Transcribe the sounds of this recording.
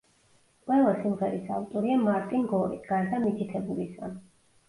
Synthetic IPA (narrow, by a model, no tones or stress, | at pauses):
qʼwɛlˠasimʁɛɾisa̰vt̪ʼɔɾiamaɾt̪ʼinɡɔɾḭt̪ʰɡ̥aɾd̪amit̪ʰit̪ʰɛbulisɡa̰n